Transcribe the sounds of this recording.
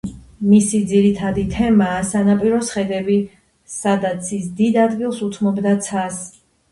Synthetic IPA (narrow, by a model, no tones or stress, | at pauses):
misid̪ziɾit̪ʰad̪it̪ʰɛmaːsanapʼiɾɔsχɛd̪ɛbi | sad̪at̪sʰisd̪id̪ad̪ɡilˠsut̪ʰmɔbd̪at̪sʰas